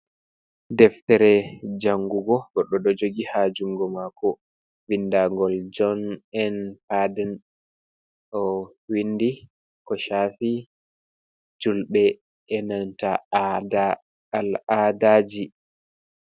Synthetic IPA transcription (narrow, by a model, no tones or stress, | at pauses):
dɛftɛɾɛd͡ʒaŋɡuɡɔɡɔɗːɔɗɔd͡ʒoɡihad͡ʒuŋɡɔmakɔ | vindaŋɡɔld͡ʒɔnɛnpadɛn | ʔɔ | windi | kɔʃafi | d͡ʒulɓɛ | ɛnantaa | aladad͡ʒi